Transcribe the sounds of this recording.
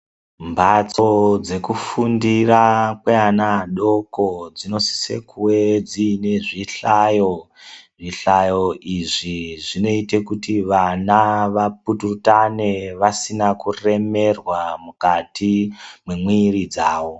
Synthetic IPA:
mbat͡sod͡ze̞kufundirakweanaɗo̞kod͡zino̞si̥sḛkʰuwed͡ziːne̞ʐiɬajo | ʐiɬajo̞iʐiʐino̞ite̞kutiʋanaʋap̚uturutane̞ʋasinakure̞me̞rwamukatʰimwemwirid͡zaːwo̞

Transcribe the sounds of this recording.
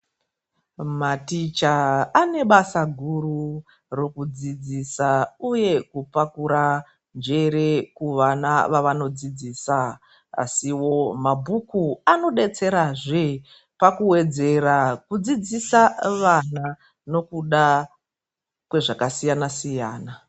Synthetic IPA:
matit͡ʃaːne̞ɓasaɡʱuru | ro̞kud͡zid͡zisauje̞kupakuɾa | nd͡ʒe̞ɾe̞kuʋanaʋaʋano̞d͡zid͡ziːsa | a̰siwo̞mabʱukuano̞ɗe̞t͡se̞ɾaʐe | pakuwe̞d͡ze̞rakud͡zid͡zisaʋana | no̞kuɗa | kwe̞ʐakasijanasijaːna

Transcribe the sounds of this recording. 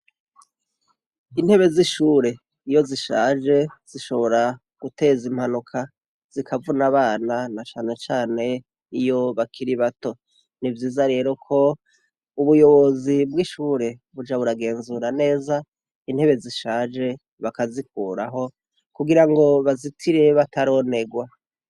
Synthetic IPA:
in̥he̞βe̞ziʃuːɾe̞ | ijo̞ziʃa̰ːd͡ʒe̞z̥iʃo̞βo̞ɾa | ɡ̥ute̞zim̥hanukʰa | z̥ikʰavunaβaːnanat͡ʃaːne̞t͡ʃaːne̞ | ijo̞βakʰiɾiβato̞ | nivjiːzaɾe̞ːɾo̞kʰo̞ | uβujo̞βo̞zibwiʃuːɾe̞βud͡ʒaβuɾaɡe̞ːnzuːɾane̞ːza | in̥he̞βe̞ziʃaːd͡ʒe̞ | βakazik̚uːɾaɦo̞ | kuɡiɾaŋɡo̞βazitʰiɾe̞βatʰaɾo̞ne̞ɡwa

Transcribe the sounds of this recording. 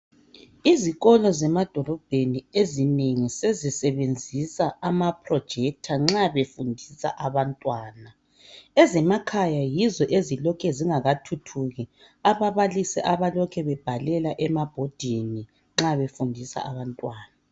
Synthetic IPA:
iziɣɔlɔzɛmad̥ʱɔlɔb̥ʱeniezineŋisezisɛβend͡zʱisaamapʰrɔd̥ʒ̥ʱɛk̚tʰaŋ͡ǁaβefundʱisa̰ʔaβantʼwaːna | ɛzɛmakʰajajizɔʔezilɔkʰɛziŋaɣatʰutʰuɣi | aβaβalisɛʔaβalɔkʰɛβɛb̥ʱalɛlaʔɛmab̥ʱɔd̥ʱini | ŋ͡ǁaβefundʱisa̰aβantʼwaːna

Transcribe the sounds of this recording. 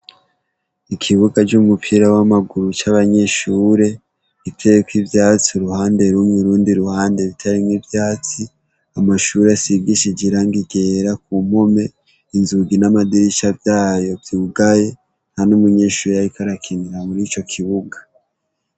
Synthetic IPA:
ikʰiβuɡad͡ʒumupʰiɾawamaɡuɾut͡ʃaβaɲe̞ʃuːɾe̞ | βitʰejekwivjaːt͡siuɾuhaːnde̞ɾumŋiɾuːndiɾuhaːnde̞βitʰaɾimŋivjaːt͡si | amaʃuːɾeasibɡiʃid͡ʒiɾaŋɡiɡe̞ːɾak̚um̥ho̞me̞ | inzuɡinamadiɾit͡ʃavjaːjo̞vjuːɡaje̞ | nhanumuɲe̞ːʃuːɾejajikaɾakʰiniɾamuɾiːt͡ʃo̞kʰiβuɡa

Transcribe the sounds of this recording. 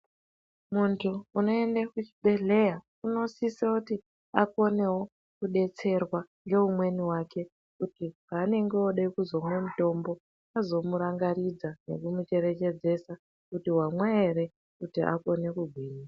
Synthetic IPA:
muntʰuːno̞e̞ndakut͡ʃi̥ɓe̞ɮe̞ja | uno̞sisakuti | ako̞ne̞wo̞ | kuɗe̞t͡se̞rwaŋɡe̞ɦumwe̞niwake̞ | kutipaːne̞ŋɡe̞oɗaikuzo̞mwemuto̞mbo̞ | azo̞muɾaŋɡaɾid͡zane̞̰kumut͡ʃe̞ɾe̞t͡ʃe̞d͡ze̞sa | kutiwamwaeɾe | kutiʔa̰ko̞ne̞kuɡʱwiːnia

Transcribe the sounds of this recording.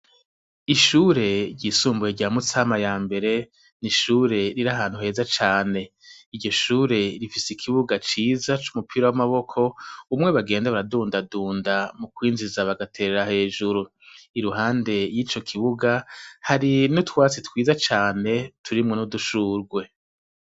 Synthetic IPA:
iʃuːɾe̞ɾɟiːsuːmbuheɟamut͡samajaːmbe̞ɾe̞ | niʃuːɾe̞ɾiɾaɦaːn̥uɦe̞ːzat͡ʃaːne̞ | iɾɟo̞ʃuːɾe̞ɾifisikʰiβuɡat͡ʃiːzat͡ʃumupʰiːɾawamaβo̞kʰo̞umŋe̞βaɡe̞ːndaβaɾaduːndaduːndamukwiːnzizaβaɡatʰeɾeɾahe̞ːʒuɾu | iɾuɦaːnde̞jiːt͡ʃo̞kʰiβuɡahaɾinutwaːt͡sitwiːzat͡ʃaːne̞tʰuɾimŋo̞nuduʃuːɾɡwe̞

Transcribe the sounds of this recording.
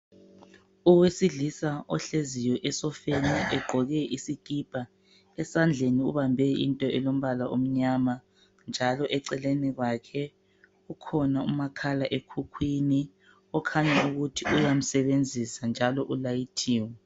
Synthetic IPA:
uwesiɮisaɔɬezijɔʔɛsɔfeniʔɛɡ͡ǃʱɔɣɛʔisiɡ̥ʱib̥ʱa | ɛsand͡ɮʱeniṵβambʱɛḭntʼɔɛlom̩βalaʔom̩ɲama | nd͡ʒʱalɔʔɛǀɛleniɣwakʰɛ | ukʰɔnaṵmakʰalaʔekʰukʰwini | ɔkʰaɲauɣutʰiʔujam̩sɛβend͡zʱisand͡ʒʱalɔʔulajitʰiːwɛ

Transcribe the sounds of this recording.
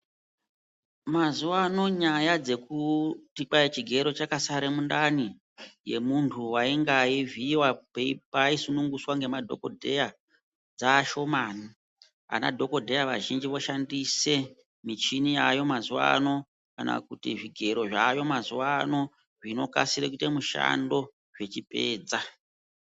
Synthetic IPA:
mazuwano̞ɲajad͡ze̞kutikait͡ʃiɡʱe̞ɾo̞t͡ʃakasaɾemundani | je̞̰muntʰuwaiŋɡaiviwapeipaisunuŋɡuswaŋɡe̞madʱo̞̰ko̞̰dʱe̞ja | d͡zaːʃo̞maːni | a̰na̰dʱo̞ko̞dʱe̞jaʋa̰ʒind͡ʒiʋo̞ʃandise̞ | mit͡ʃiniajo̞mazuwa̰ːno̞ | kana̰kutiʐiɡʱe̞ɾo̞ʐajo̞mazuwano̞ | ʐino̞ka̰siɾekutemuʃa̰ndo̞ | ʐe̞t͡ʃipe̞ːd͡za

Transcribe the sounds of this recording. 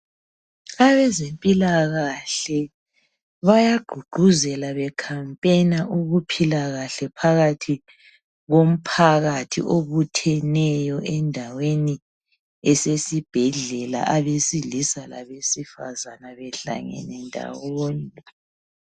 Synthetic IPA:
aβɛzempʼilaɣaɬɛ | βajaɡ̥ʱuɡ͡ǃ̥ʱuzɛlaβɛkʰampʼenaʔuɣupʰilaɣaɬɛpʰaɣatʰi | ɣom̩pʰaɣatʰḭʔoβutʰɛnɛjɔʔɛndʱaweni | ɛsesib̥ʱɛɮɛla̰ʔaβesilisala̰βesifa̰zanaβɛɬa̰ŋɛ̰nɛndʱa̰woːni

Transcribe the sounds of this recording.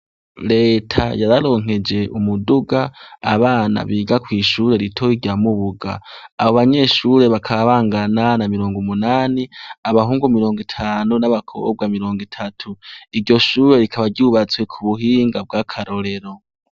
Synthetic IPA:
ɾe̞ːtʰa̰jaɾaɾo̞ŋ̥he̞d͡ʒe̞ʔumuduɡaaβaːna̰βiːɡakwiːʃuːɾe̞ɾitʰo̞iɾɟaːmuβuɡa̰ːβoβaɲe̞ʃuɾe̞βakʰaaβaːŋɡananamiɾo̞ːŋɡumunaːniaβaɦuːŋɡumiɾo̞ːŋɡitʰaːnunaβakʰo̰ob̚ɡaːmiɾo̞ːŋɡitʰatʰuiɾɟo̞ʃuːɾe̞ɾikʰaβaɾɟuːβat͡swe̞kʰuβuɦiːŋɡab̚ɡakʰaɾo̞ɾe̞ɾo̞

